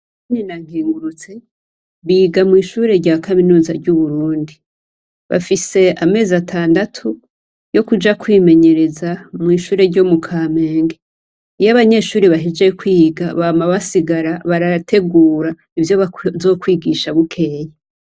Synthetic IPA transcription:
aɲinaŋ̥ɡiːŋɡuɾut͡se̞ | βiːɡamŋiːʃuːɾe̞ɾɟaːkaminuːzaɾɟuβuɾuːndi | βa̰fise̞ame̞ːzatʰaːndatʰu | jo̞kud͡ʒakwiːme̞ɲe̞ɾe̞zamŋiːʃuːɾe̞ɾɟo̞mukʰaːme̞ːŋɡe | ijaβaɲe̞ːʃuːɾiβaɦid͡ʒekwiːɡaβaːmaβasiɡaɾaβaɾatʰe̞ɡuːɾa | ivjo̞zo̞ːkwiːɡiːʃaβukʰe̞ːja

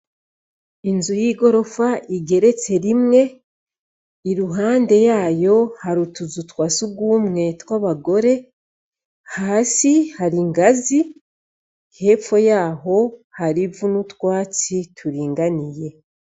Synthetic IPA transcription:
inzujiːɡo̞ɾo̞faʔiɡe̞ɾe̞t͡se̞ɾimŋe̞ | iɾuɦaːnde̞jaːjo̞haɾutuzutwaːsuɡwuːmŋe̞twaβaɡo̞ɾe̞ | haːsihaɾiŋɡazi | he̞ːfo̞jaːho̞haɾivunutwaːt͡sitʰuɾiːŋɡanije̞

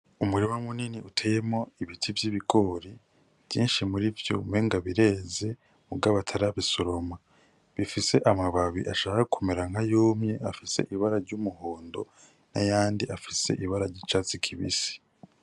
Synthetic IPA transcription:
umuɾimamuniniʔutʰeːjemo̞iβitʰivjiβiɡo̞ɾi | vjiːnʃimuɾivjo̰meŋɡaβiɾe̞ːze̞ | mubɡaːβatʰaɾaβisoɾo̞ma | βifise̞ʔamaβaβḭʔaʃaːhakʰumeɾaŋ̥ajoːmɲe̞ʔafise̞̰ʔiβaɾaɾɟumuho̞ːndo̞̰ | na̰jaːndiʔafise̞̰ʔiβaɾaɾɟit͡ʃat͡sikʰiβḭsi̥

